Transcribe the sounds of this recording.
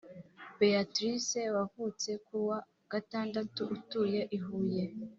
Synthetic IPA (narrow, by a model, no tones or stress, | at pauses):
beatɾisewavut͡se̞kuwa | ɡ̥ataːndatuʔutuːje̞ʔiɦuːje̞